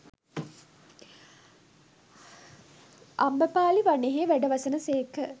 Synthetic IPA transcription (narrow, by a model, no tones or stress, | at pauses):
ambəpaːliʋaneɦeʋæɖəʋasənəseːkə